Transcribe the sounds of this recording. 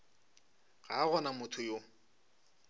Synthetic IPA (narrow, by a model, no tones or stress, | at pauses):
ɣa̰ɣɔnamʊtʰʊjo